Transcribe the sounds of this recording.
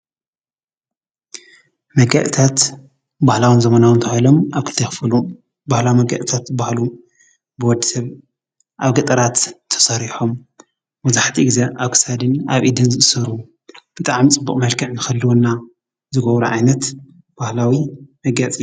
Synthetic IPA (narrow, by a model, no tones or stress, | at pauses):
mɐɡɐ̰ʔt̪ʰat̪ | bahlawɨnzɐmɐnawɨnt̪ʰɐajlo̞maβkʰɨlt̪ʰɐjxfɨlu | bahlawimɐɡɐ̰ʔ̪t̪ʰat̪bahlu | bɨwɔd̪isɐβ | ʔaβɡɐt̪ʼɐɾat̪ʰːɐ̥sɐɾiħom | mɐzaħt̪ʰiɡzeʔaβkʰɨ̥sad̪ɨnaβʔid̪ɨnzɨʔɨsɐɾu | b̥ɨt̪ʼaʕmit͡sʼɨbːukʼmɐlkʰɐʕnɨxɐlːuwonːa | zɨɡɐβɾuʕajnɐt̪ | b̥ahlawimɐɡɐt͡sʼi